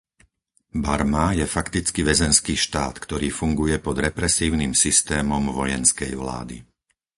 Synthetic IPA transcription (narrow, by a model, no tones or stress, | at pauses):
baɾmajɛfakt̪it͡skiʋɛzɛnskiːʃt̪aːt̪kt̪ɔɾiːfuŋɡujɛpɔd̪ɾɛpɾɛsiːʊnimsist̪ɛːmɔmʋɔjɛnskɛjʋla̰ːd̪ḭ